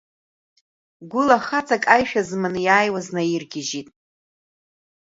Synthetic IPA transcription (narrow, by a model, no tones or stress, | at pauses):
ɡʷʊlaχat͡sʼakʼajʃᶣazmɨnɨjaːjwaznajirɡʲɪʒitʼ